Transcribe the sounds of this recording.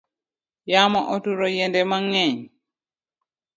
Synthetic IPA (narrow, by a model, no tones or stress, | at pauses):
jaːmaʔotuɾɔjɛndɛmaŋːɛɲ